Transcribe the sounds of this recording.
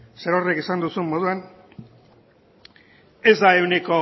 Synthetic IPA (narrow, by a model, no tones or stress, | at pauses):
seɾorekisand̪usummo̞ð̞uan | e̞zd̪ae̞wniko̞